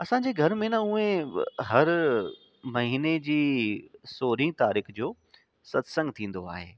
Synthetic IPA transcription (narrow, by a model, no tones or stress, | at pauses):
ɐsãd͡ʑeːɡʱɐɾmẽnɐʊ̃ẽɦɐɾ | mɐɦiːned͡ʑiːsoːɾĩt̪aːɾiːxd͡ʑoː | sɐt̪sə̃ŋɡt̪ʰĩːn̆d̪oa̰ːɦḛː